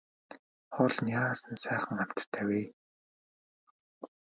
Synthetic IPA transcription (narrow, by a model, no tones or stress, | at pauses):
χɔɮnjaːsə̆nsæːχə̆ŋam̥ʲt̪ʰːæːweː